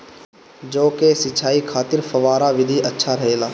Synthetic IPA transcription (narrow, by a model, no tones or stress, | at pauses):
d͡ʒoːkesɪt͡ʃʰaːikʰaːt̪ɪɾfɐʋaːɾaʋɪd̪ʱiʔɐtːʃʰaɾɐɦeːlaː